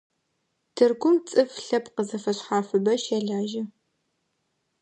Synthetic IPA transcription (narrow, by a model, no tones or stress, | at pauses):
tʰɨrɡʷʊmt͡sʼɨfɬɐpqəzɐfɐɕħaːfɨbɐʃɛɮaːʒɪ